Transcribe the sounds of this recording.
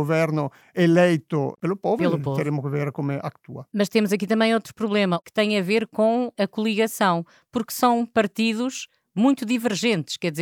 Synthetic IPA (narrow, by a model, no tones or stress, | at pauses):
oveɾnʊ | elejt̪ʊ̰pelʊpovɾelˠupot̪ɨɾemʊkveɾkomɛa̰kt̪ṵɐmɐʃt̪emuzɐkit̪ɐ̃mɐ̃j̃ot̪ɾu̥pɾuβlˠemɐkɨ̥t̪ɐ̃j̃ɐveɾkõɐkulˠiɣɐsɐ̃w̃ | puɾksɐ̃w̃pɐɾt̪iðuʃ | mũj̃t̪uðivɨɾʒẽnt̪ʃkɛðizeɾ